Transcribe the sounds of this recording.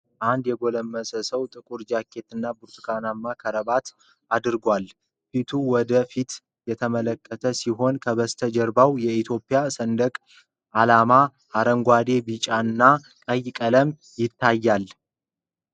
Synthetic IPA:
ʔand̪jɛɡo̞ləmːəsəsəwt̪ʼɨkʼuɾd͡ʒakʰːe̞t̪ɨnːabuɾt̪ɨ̥kʰanamːakʰəɾəbat̪ | ad̪ɨɾɡʷal | fit̪ʰuwɔd̪əfit̪ | jɛt̪ʰəmələkʰʼːət̪ʰəsiɦo̞nkʰəβəst̪ʰəd͡ʒɛɾbawjɛit̪ʰjo̞pʼːɪjasənd̪əkʼ | ʔalama | haɾəŋɡʷad̪e̞bit͡ʃʼaɨnːa | kʼəjkʼələm | jɪt̪ʰːajːal

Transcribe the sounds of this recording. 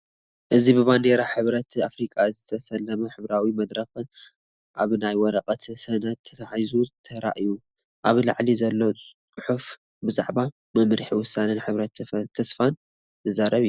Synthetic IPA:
ʔɨzibɨβand̪eɾaħɨβɾɐt̪afɾikʼazɨt̪ʰɐsɐlːɐmɐħɨβɾawimɐd̪ɾɐx | ʔaβnajwɔɾɐqʼɐt̪ʰsɐnɐt̪ʰːɐ̥t̪ʰaħajzut̪ʰɐɾa̰ʔiju | ʔaβla̰ʕlizɐlːo | ħuf | bɨza̰ʕba | mɐmɾħiwʊsanɐnħɨβɾɐt̪t̪ʰːɐsfan | zɨzaɾɐβij

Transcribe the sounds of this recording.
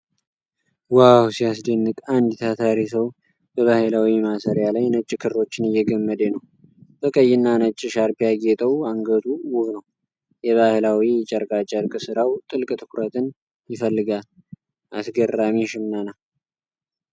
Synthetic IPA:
wawsijasd̪enːɨkʼand̪t̪ʰat̪ʰaɾisəw | b̥əβahɨlawimasəɾjalajnət͡ʃʼːkʰɨɾɾo̞t͡ʃːɪnɪjːɛɡəmːəd̪enəw | bəkʼəjːɪnːanət͡ʃʼːɪʃaɾpijaɡet̪ʼəwaŋɡət̪ʰuwʊhnəw | jɛβahlawijɛt͡ʃʼəɾkʼat͡ʃʼəɾkʼɨsɨɾawt̪ʼɨlkʼt̪ʰɨkuɾət̪ʰɨn | jɪfəlːɨɡal | ʔasɡərːamiʃɪmnana

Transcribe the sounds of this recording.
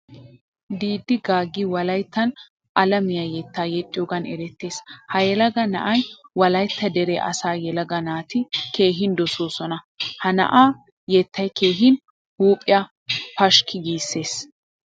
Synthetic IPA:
d̪iːd̪ːɪɡaːɡːɪwɐlɐjt̪ːɐn | ʔɐlɐmɪjajɛt̪ːaːjɛt͡ʃʼːɔɡɐnɛɾɛt̪ːe̞ːshɐjɛlɐɡɐnɐ̰ʔɐjwɐlɐjt̪ːɐd̪ɛɾeʔɐ̰saːjɛlɐɡɐnaːt̪ɪke̞ːɦɪnd̪ɔsoːsɔnɐ | hɐnɐ̰ʔaː | jɛt̪ːɐjke̞ːɦɪn | huːpʼːɪjɐ | pɐʃkʰɪɡiːsːe̞ːs

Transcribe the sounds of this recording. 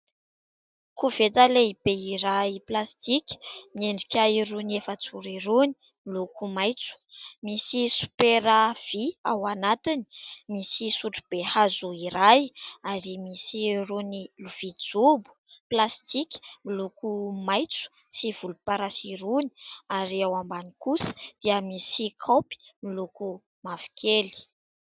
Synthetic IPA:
kuv̥et̪aleib̥eiɾaiplast̪ikʲmeɳɖ͡ʐikʲajrunefət͡suɾiɾuni̥ | milukumajt͡su̥misisu̥peɾav̥ia̰wanat̪ini̥misisuʈ͡ʂub̥ehazuiɾajaɾimisiruniluv̥id͡zubu̥plast̪ikʲi̥milukumajt͡su̥ | siv̥ulupaɾasiɾuni̥aɾiawambanikusə̥d̪̥iəmisikʰopi̥miluku | mavi̥kʰeli̥

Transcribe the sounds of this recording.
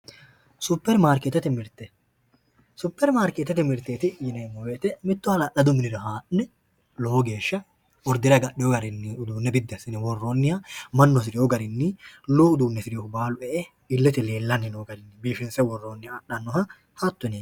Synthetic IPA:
sʊpːɛɾmaːɾkɛt̪ɛt̪ɪmɪɾt̪ɛ | sʊpːɛɾmaːɾket̪ːɛt̪ɪmɪɾt̪eːt̪ɪjɪnɛmɔweːt̪ɛmɪt̪ːʊɐlɐɗɐd̪ʊmɪnɪɾɐɦaːʔnɛ | loːɡe̞ːʃːɐ | ɔɾd̪ɪɾɐɡɐɗɪjɔɡɐɾɪnːɪʊd̪uːnːɛbɪd̪ːɛsɪnɛwɔrːoːnːɪjɐmɐnːɔs̬ɪɾɪjɔɡɐɾɪnːɪluːʊd̪uːnːɛsɪɾɪjɔʊbaːlʊʔɛʔɛ | ɪlːɛt̪ɪleːlːɐnːɪnoːɡɐɾɪnːɪbiːfɪnsɛwɔrːoːnːɪjɐːɗɐnːɔhɐ | hɐt̪ːʊne

